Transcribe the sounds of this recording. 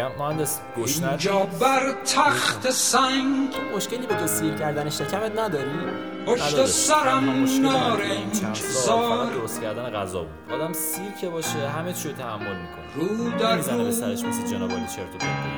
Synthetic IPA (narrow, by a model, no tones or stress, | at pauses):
æmmohænd̪es | ɡ̥oiʃnænd͡ʒɒːbæɾt̪ʰæxt̪ʰesæŋɡimoʃceliːbekesicʰæɾd̪æneʃecʲʰæmet̪næd̪ɒːɾi | onʃd̪osæɾæmmonɒːɾeŋæmʰzɒːd̪oɾost̪cʰæɾd̪æneɣæ̰zɒ̰ːbud̪̥ʔɒːd̪æmsicʰebɒːʃeɦæmet͡ʃʰiɾot̪ʰææmːolmiːkʰoniɾuːd̪æupæɾeʃbesid͡ʒenɒːbed̪it͡ʃʰeɾcʰet̪e